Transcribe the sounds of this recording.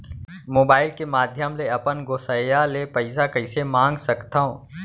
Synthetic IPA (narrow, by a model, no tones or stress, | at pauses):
moːbaːɪlkemaːd̪ʱjəmleɐpənɡoːsəjalepəɪsakɐɪsemãːŋɡsɐkt̪aõː